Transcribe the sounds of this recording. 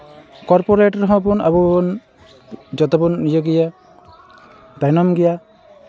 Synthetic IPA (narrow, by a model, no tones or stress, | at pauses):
kɔɾpɔɾeʈɔɾɦɔ̃p̬una̰pun | d͡ʒɔt̪ɔbɔnːijɔɡija | dajnɔmɡija